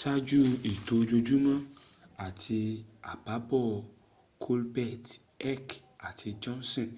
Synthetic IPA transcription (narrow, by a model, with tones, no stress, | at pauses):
ʃa˦d͡ʒu˦i˨to˧d͡ʒo˧d͡ʒu˦mã˦a˦˨tʰi˧a˨ba˨˦bɔ˦˨ | kʰo˦lbɛ˦˨t | ɛ˦k | a˨ti˧d͡ʒɔ̃˦nsɔ̃˦˨